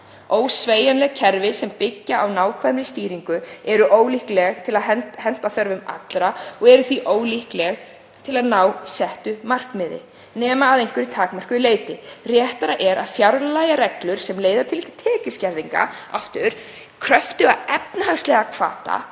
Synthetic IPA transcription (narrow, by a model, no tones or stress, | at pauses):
oːwsveːjanlɛɣcʰɛɾvɪsɛmpɪcːaʔawnaːwkʰvaðmɾɪst̪iːɾiŋkʏɛɾʏʔoːwlihklɛɣt̪ʰɪlaðɦɛnhɛn̥t̪aθœɾvʏma̰t̪lɾaɔɣɛɾʏθviʔoːwlihklɛɣ | t̪ʰɪlaðnaːwsɛht̪ʏmar̥kmɪðɪ̰ | nɛːmaːðejŋkʏɾɪt̪ʰaːkmar̥kʏleːjt̪ɪrjɛːht̪aɾaʔɛɾaðfjaɾllajaɾɛklʏɾ̥sɛmleːjðat̪ʰɪlt̪ʰɛːcʏscɛɾðiŋka̰aft̪ʏɾ̥ | kʰɾœft̪ʏaðɛp̚nahaŋst̪lɛɣakʰv̥a̰ːt̪a̰